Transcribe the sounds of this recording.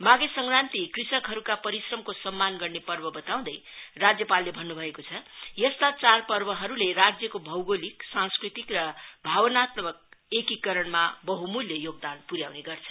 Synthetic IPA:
maɡesʌŋɡrant̪ikrisʌkɦʌɾukapʌɾisrʌmkosʌmːanɡʌrnepʌrbʌbʌt̪aw̃d̪ʌjrad͡zjʌpalːebʱʌnːubʱʌekot͡sʰʌjʌst̪at͡sarpʌrbʌɦʌɾulerad͡zjʌkobʱʌwɡoliksãnskrit̪ikrʌbʱabʌnat̪mʌk̚ekikʌɾʌɳmabʌɦumuljʌjoɡ̚d̪anpuɾjawneɡʌrt͡sʰʌ̥

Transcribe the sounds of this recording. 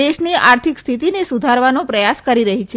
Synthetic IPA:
eʃniaɾt̪ʰikst̪ʰit̪inesud̪ʱaɾʋanopɾəjaskəɾiɾəɦit͡ʃʰe

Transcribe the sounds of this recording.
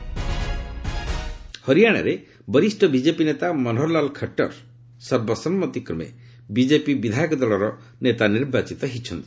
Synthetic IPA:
hɔɾijaɽ̃a̰ɾe | bɔɾisʈɔbid͡ʒepinet̪amɔnɦɔɾlalkʰəʈɔ̰ɾ | sɔɾbɔsɔmːɔt̪ikɾɔmḛ | bid͡ʒepibid̪ʱajɔkɔd̪ɔlɔɾɔ | net̪aniɾbat͡ʃit̪ɔɦit͡ʃʰɔnt̪i̥

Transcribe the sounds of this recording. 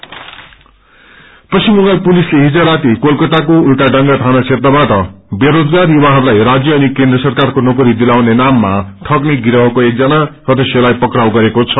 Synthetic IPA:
pʌsimoɡalpulisleɦid͡zʌɾat̪ikolkʌt̪akoulʈaɖʌŋɡaʈ̪ʰanat͡sʰet̪abaʈʌbeɾod͡zɡarjuwaɦʌɾulajrad͡zjʌʌnikẽnd̪rʌsʌrkarkonʌkuɾid̪ilawnenamːaʈʰʌkneɡiɾʌɦʌkoek̚d͡zʌnasʌd̪esjʌlajpʌkrawɡʌɾekot͡sʰʌ

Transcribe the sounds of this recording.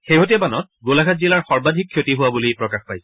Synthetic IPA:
xeɦot̬ɛbanɔt̚ | ɡolaɡʰatzilaɹxɔɹbadʱikʰːjotiɦʊwabulijpɹɔkaxpajsɛ

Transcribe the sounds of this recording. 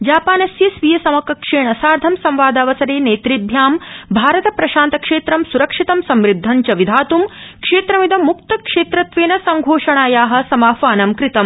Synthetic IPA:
d͡ʒaːpaːnɐsjɐsʋijɐsɐmɐkɐkʂeːɳɐsaːɾd̪ʱɐmsɐmʋaːd̪ɐːʋɐsɐɾeːneːt̪ɾid̪ʱjaːmbʱaːɾɐt̪ɐpɾɐʃaːnt̪ɐkʂeːt̪ɾɐmsuɾɐkʂit̪ɐmsɐmɾid̪ʱːɐɲt͡ʃɐʋid̪ʱaːt̪umkʂeːt̪ɾɐmid̪ɐmuk̚t̪ɐkʂeːt̪ɾɐt̪ʋeːnɐsɐŋɡʱoːʂɐɳaːjaːɦɐ̆sɐmaːfaːnɐmkɾit̪ɐm

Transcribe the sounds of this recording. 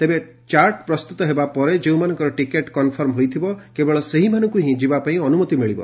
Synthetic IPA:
t̪ebe | t͡ʃaɾʈpɾɔst̪ut̪ɔɦebapɔɾed͡ʒeũmanɔ̃ŋkɔɾɔʈikeʈkɔnpʰɔɾmɦojt̪ʰibɔkebɔɭɔseɦimanɔ̃ŋkuɦĩd͡ʒibapaĩɔnumɔt̪imiɭibɔ̰

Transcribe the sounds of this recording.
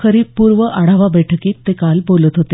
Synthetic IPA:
kʰəɾiːpːuːɾʋəʔaɽ̤aʋabəʈʰəkiːt̪ːekalbolət̪ɦot̪e

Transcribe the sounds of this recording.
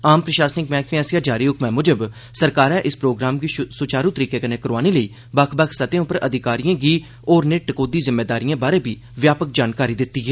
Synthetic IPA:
aːmpɾəʃaːsnɪkmɛ̃ːkʰãːsjãːd͡ʒaːɾiːʊkmɛ̃ːmʊd͡ʒəb | səɾkaːɾɛ̃ːʔɪspɾoːɡɾaːmɡiːsʊt͡ʃaːɾũt̪əɾiːkeːkəneːkəɾʋaːneləiː | bəkʰbəkʰsət̪ẽʊpəɾəd̪ʱɪkaːɾijãːɡiː | ɔːɾneːʈəkoːd̪iːzɪmːeːd̪aːɾijãːbaːɾeːbʱiː | ʋjaːpək̚d͡ʒaːnkaːɾiːd̪ɪt̪ːiːɦɛː

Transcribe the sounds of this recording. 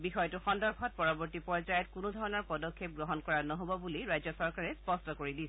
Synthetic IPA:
bixɔjɔtuxɔndɔɹbʱɔt̚pɔɹɔbɔɹtipɔɹzajɔtkunudʱɔɹɔnɔɹpɔdɔkʰːep̚ɡɹɔɦɔnkɔɹanɔɦobɔbuliɹajzɔsɔɹkaɹɛspɔstɔkoɹidis

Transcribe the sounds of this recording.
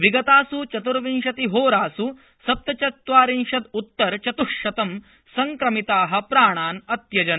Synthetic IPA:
ʋiɡɐt̪aːsut͡ʃɐt̪uɾʋinʃɐt̪iɦoːɾaːsu | sɐp̚t̪ɐt͡ʃɐt̪ʋaːɾiŋʂɐt̪ut̪ːɐɾt͡ʃɐt̪uʂɐt̪ɐm | sɐŋkɾɐmit̪aːɦɐ̆pɾaːɳaːnɐt̪jɐd͡ʒɐn

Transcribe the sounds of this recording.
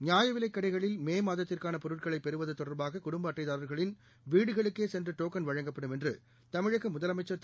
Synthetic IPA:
ɲjaːjɐʋɪlɐɪkːɐɽɐɪɣɐɭɪlmeːmaːðɐt̪ːɪrkaːnɐpɔɾɯʈ̚kɐɭɐɪpːɛɾɯʋɐðɐt̪ːɔɽɐɾbaːɣɐkʊɽʊmbaːʈːɐɪðaːɾɐɾɣɐɭɪn | ʋiːɽɯɣɐɭɯkːeːsɛndrɯʈoːkɐnʋɐɻɐŋɡɐpːɐɽɯmɛndrɯ | t̪ɐmɪɻɐkːɯmʊðɐlɐmɐɪt͡ʃːɐt̪

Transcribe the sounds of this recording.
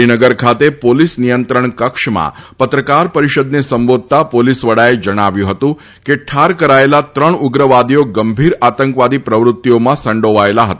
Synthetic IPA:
inəɡəɾkʰat̪epolisnijənt̪ɾəɳkəkʂmã̰pət̪ɾəkaɾpəɾiʃəd̪nesəmbod̪̚ʱt̪apolisʋəɽaed͡ʒəɽ̃aʋjũɦət̪ũ | keʈʰaɾkəɾaelat̪ɾəɳʊɡɾəʋad̪ijoɡəmbʱiɾat̪əŋkʋad̪ipɾəʋɾʊt̪ːijomãsə̃ɳɖoʋaelaɦət̪a

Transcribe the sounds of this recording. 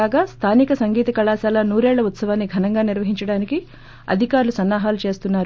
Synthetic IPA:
aːɡaːst̪ʰaːnikɐsɐŋɡiːt̪ɐkɐɭaːsaːlɐnuːɾeːɭːɐut̪sɐʋaːnːiɡʱɐnɐŋɡaːniɾʋɐɦiɲt͡ʃɐɽaːniki | ɐ̰d̪ʱikaːɾulusɐnːaːɦaːlut͡ʃe̞ːst̪unːaːɾ

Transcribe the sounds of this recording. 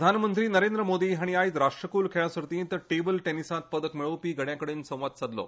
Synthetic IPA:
d̪ʱanmənt̪ɾiːnəɾend̪ɾəmod̪iːɦaɽ̃iait̪ɾaʂʈɾəkuːlkʰeɭasəɾt̪ĩːnt̪əʈebəlʈenisãt̪̚pəd̪əkmiɭəʋpiːɡʱəɽjãkəɽeːnsə̃w̃ʋat̪̚t͡sad̪lo̰

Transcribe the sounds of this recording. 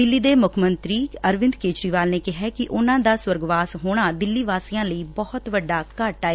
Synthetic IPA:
d̪ɪlːiːd̪eːmʊkʰmənt̪ɾiːəɾʋɪnd̪keːt͡ʃɾiːʋaːlneːkɪɦɛːkɪʔʊnãːd̪aːswəɾɡʋaːsɦoːɽ̃aːd̪ɪlːiːʋaːsiːjãːləiːbɔhʊt̪ʋəɖːaːkəʈaːeː

